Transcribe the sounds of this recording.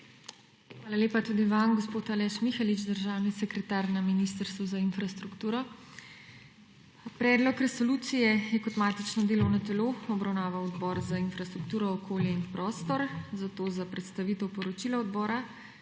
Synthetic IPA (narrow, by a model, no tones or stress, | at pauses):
xʋaːlaleːpat̪uːd̪iʋamɡɔspoːt̪alɛʃmixalit͡ʃd̪əɾʒaːwnisɛkɾɛt̪aːɾnaminist̪əɾst̪ʋɔzainfɾast̪ɾukt̪uːɾɔ | pɾɛːd̪lɔkɾɛsɔluːt̪sijɛjɛkɔt̪maːt̪it͡ʃnɔd̪eːlɔwnɐt̪ɛloːɔbɾawnaːʋawɔd̪bɔːɾzainfɾast̪ɾukt̪uːɾɔːkʰoːljɛinpɾʔɔːst̪ɔɾzat̪oːzapɾɛt̪st̪aʋiːt̪ɛwpɔɾɔt͡ʃiːlaɔd̪bɔːɾa